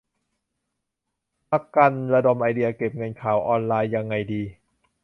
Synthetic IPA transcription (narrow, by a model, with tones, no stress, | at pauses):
pa˧ka˧nɾa˧do˨˩mʔa˧jdi˧ɐke˨˩p̚ŋɤ˧nkʰaː˨˩˦wʔɔː˧nlaː˧jːa˧ŋːa˧jdiː˧